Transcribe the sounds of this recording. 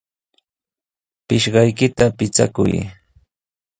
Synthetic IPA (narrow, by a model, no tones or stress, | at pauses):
pɪʃɢɑjkɪt̪apɪt͡sa̰kʊ̰j